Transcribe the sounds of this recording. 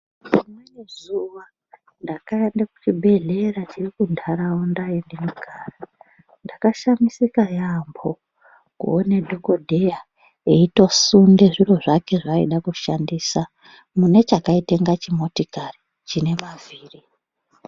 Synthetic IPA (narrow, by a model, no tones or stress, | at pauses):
imwenezuʋa | ndakaendaku̥t͡ʃibʱe̞ɮe̞ɾat͡ʃirikundʱaɾawondaendenuɡʱaːra | ndakaʃamisikajambo̞ | kṵone̞dʱo̞ko̞dʱe̞ja | eito̞sunde̞ʐiro̞ʐake̞ʐaiɗakuʃandiːsa | mune̞t͡ʃakaite̞ŋɡat͡ʃimo̞tikari | t͡ʃine̞maviːri